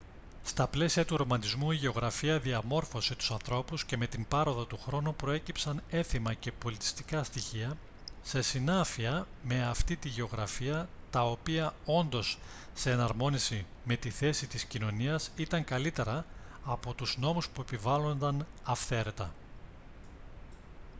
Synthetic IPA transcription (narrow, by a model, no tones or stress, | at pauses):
st̪ɐple̞siɐt̪uɾo̞mɐnd̪izmuiʝe̞o̞ɣɾɐfiɐðiɐmo̞ɾfo̞sit̪u̥sɐnθɾo̞pusce̞me̞t̪imbɐɾo̞ðɐt̪uxɾo̞nupɾo̞e̞cipsɐne̞θimɐce̞po̞lit̪i̥st̪i̥kɐst̪içiɐ | se̞sinɐfiɐme̞ɐft̪it̪iʝe̞o̞ɣɾɐfiɐt̪ɐopiɐo̞nd̪o̞sː | e̞ːnɐɾmo̞nisi | me̞t̪iθe̞sit̪iscino̞niɐsit̪ɐŋkɐlit̪e̞ɾɐːpo̞t̪uzno̞muspue̞pivɐlo̞nd̪ɐnɐfθe̞ɾe̞t̪ɐ